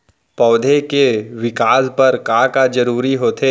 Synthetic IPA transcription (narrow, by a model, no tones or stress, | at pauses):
pɔːd̪ʱekeʋɪkaːspɐɾkakad͡ʒɐɾuːɾiɦoːt̪ʰeː